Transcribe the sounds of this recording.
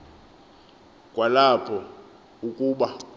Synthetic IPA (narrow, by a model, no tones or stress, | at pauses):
kʼwalapʰɔ | ukʼuːɓa